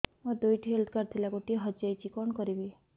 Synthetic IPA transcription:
mad̪ujʈʰiɦelt̪ʰkaɾt̪ʰilakoʈiɦɔd͡ʒajt͡ʃʰikɔnɔkɔɾibi

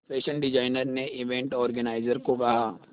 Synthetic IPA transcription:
peːʃənɖɪd͡ʒaːɪnəɾneɪʋẽːɳʈɔːɾɡənaːɪzəɾkokɐɦaː

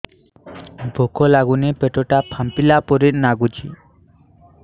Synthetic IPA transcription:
bʱɔkʰɔlaɡunepeʈɔʈapʰampilapɔɾit̪̚naɡut͡ʃḭ

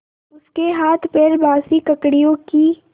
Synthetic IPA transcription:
ʊskeɦaːt̪ʰpeɾbaːsikɐkɽijõki

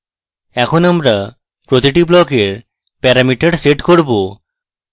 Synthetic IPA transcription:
ɛkʰonamɾa | pɾot̪iʈiblɔkeɾ | pɛɾamiʈeɖseʈkoɾbo

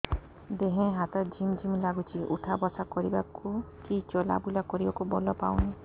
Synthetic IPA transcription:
d̪eɦẽɦat̪ɔd͡ʒʱimd͡ʒʱimlaɡut͡ʃʰiʔṵʈʰabɔsakɔɾibakukit͡ʃɔla̰bulakɔɾibakubɔlɔpawni

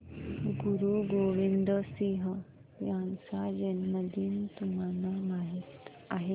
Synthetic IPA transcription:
ɡuɾuɡoʋind̪əsiɦə | jãnsad͡ʑenməd̪ʱiːnt̪um̤anamaɦit̪ | a̰ɦe

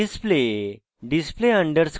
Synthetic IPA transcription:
isple | ɖispleəɳɖəɾs

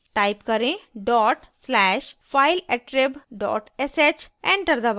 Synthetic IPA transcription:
ʈaɪpkəɾẽɖɔːʈslɛːʃfʰaɪlɛʈɾebɖɔ̰ːʈeset͡ʃẽɳʈəɾd̪ɐba

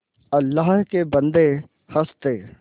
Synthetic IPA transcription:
ɐlːaːɦkebə̃nd̪e | hɐst̪eː

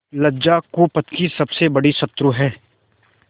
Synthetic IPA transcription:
lɐd͡ʒakuːpət̪kisɐbsebɐɽisɐt̪ːɾuɦɛː

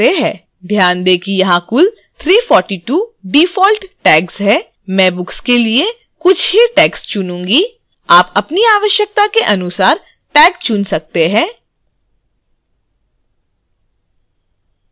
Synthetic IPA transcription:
eɦɛ̃ː | d̪ʱjaːnd̪eːkʰijɐɦãkʊl | t̪ʰɾiːfɔːɾʈiʈuːɖiːfɔːlʈʈɛːksɦɛː | mɛ̃ːbʊkskelie | kʊt͡ʃʰɦiʈɛːkst͡ʃʊnũːŋɡi | aːpɐpniaːʋəʃjək̚t̪akeʔɐnʊsaːɾ | ʈɛːkst͡ʃʊnsɐk̚t̪eɦɛ̃ː

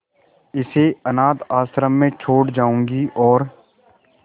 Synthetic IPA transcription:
ɪseənaːt̪aːsɾəmːẽt͡ʃʰoːʈd͡ʒaːũːŋɡiːʔɔːɾ

